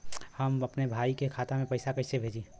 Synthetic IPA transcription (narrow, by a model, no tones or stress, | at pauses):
həmɐpnebʱaːikekʰaːt̪amẽpɐɪsakəɪsebʱeːd͡ʒi